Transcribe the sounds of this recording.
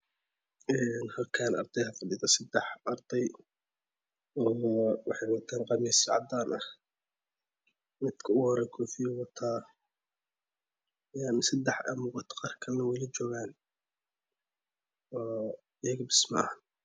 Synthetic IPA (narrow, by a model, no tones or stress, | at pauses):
ʔɛːnhɐlkʰanʔɑ̰ɾd̪ɛjhɐfɑd̪iːðɐsɐd̪ɛħʔɑrd̪ɑj | ɔːwɑħɑjwɑt̪ʰaːnqɑmiːsʕɑ̰d̪aːnʔɐh | mɪd̪kʰɐʊhɔɾɛkʰɔːfijɐwɑt̪ʰaː | jansɐd̪ɛħʔɐmʊɡɑt̪ʰqɑːrkʰɐlnɐwɛjlɐt͡ʃɔːɣaːn | ɔː | ɪjɐɣɐbɪsmɐ̰n